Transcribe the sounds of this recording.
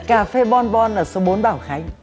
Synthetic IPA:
kaː˧˩fe˧ɓɔ˧nɓɔ˧nlaː˨˩so˨˦ɓo˨˦nɓaː˧˩wxaː˨˦ŋ

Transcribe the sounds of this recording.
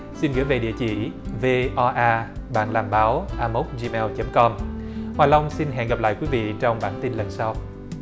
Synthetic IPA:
si˧nɣɨ̰˧˩˦jve˨˩ɗḭ˧˨ət͡ɕḭ˧˩ve˧ʔɔ˧ʔaː˧ɓa̰ː˧˨nlaː˨˩mɓaː˨˦wʔaː˧mo˦˥t̚zi˧mɛ˧wt͡ɕə˨˦mkɔ˧mhwaː˨˩jla˧wŋ͡msi˧nɦɛ̰˧˨nɣa˨˩p̚la̰ː˧˨jkwi˨˦vḭ˧˨t͡ɕɔ˧wŋ͡mɓaː˧˩nt̪i˧nlə˨˩nsa˧w

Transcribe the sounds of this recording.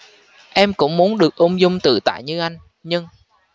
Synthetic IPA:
ʔɛ˧mkʊ̰˧˥wŋ͡mmu˨˦ənɗɨ˨˩ək̚ʔə˧wŋ͡mzʊ˧wŋ͡mt̪ɨ̰˧˨t̪a̰ː˧˨jɲɨ˧ʔa˧jŋ̟ | ɲɨ˧ŋ

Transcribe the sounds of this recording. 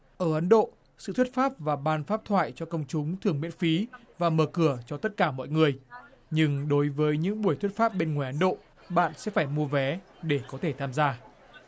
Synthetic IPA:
ʔəː˧˩ʔə˨˦nɗo̰˧˨ | sɨ̰˧˨t̪ʰi˦˥t̚faː˦˥p̚vaː˨˩ɓaː˧nfaː˦˥p̚t̪ʰwa̰ː˧˨jt͡ɕɔ˧kə˧wŋ͡mt͡ɕʊ˨˦ŋ͡mt̪ʰɨ˨˩əŋmwḭ˧˥ənfi˨˦vaː˨˩məː˨˩kɨ˧˩ət͡ɕɔ˧t̪ə˦˥t̚kaː˧˩mɔ̰˧˨jŋɨ˨˩əj | ɲɨ˧ŋɗo˨˦jvəː˨˦jɲɨ̰˧˥ŋɓu˧˩əjt̪ʰwt̚faː˦˥p̚ɓe˧nŋwaː˨˩jʔə˨˦nɗo̰˧˨ | ɓa̰ː˧˨nsɛ̰˧˥faː˧˩jmu˧əvɛ˨˦ | ɗe˧˩kɔ˨˦t̪ʰe˧˩t̪ʰaː˧mzaː˧

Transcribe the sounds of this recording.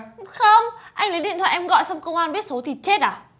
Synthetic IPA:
xə˧ŋ͡mʔa˧jŋ̟lə˨˦ɗḭ˧˨t̪wa̰ː˧˨ʔɛ˧mɣɔ̰˧˨jsa˧wŋ͡mkə˧wŋ͡mʔaː˧nɓi˦˥ət̚so˨˦t̪ʰi˨˩t͡ɕe˦˥t̚ʔaː˨˩

